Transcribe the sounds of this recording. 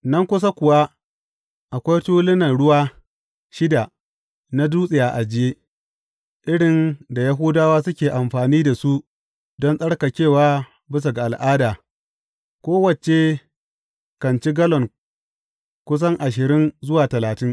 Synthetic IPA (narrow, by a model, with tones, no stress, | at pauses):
nɐ˦ŋkʷʊ˦s̬a˦kʷʊ˨wa˦ | ʔa˨kʷa˦jtuː˦lɪ˦nɐ˨nɽʊ˦waː˦ | ʃɪ˦da˨ | na˦duː˦sʼɪ˨jaː˨ʔa˨d͡ʒɪ˦jeː˦ | ʔɪ˦ɽɪ˨nda˨ja˦ɦʊ˦daː˦waː˦sʊ˦kʲeː˨ʔa˨mɸaː˨niː˦da˨su˦ʔ | dɔ˦nsʼɐ˦ɽka˨t͡ʃʲeː˦˨waː˦ | bɪ˦s̬a˨ɡa˨ʔa˨lʔaː˦daː˨ | kʷoː˦wɐ˨t͡ʃe˨ | kɐ˨nt͡ʃi˦ɡɐ˦lɔ˨ŋ | kʷʊ˦s̬ɐ˦ŋʔa˨ʃ̬ɪ˨ɾɪ˦nzʊ˦waː˨tɐ˨laː˨tɪ˦ŋ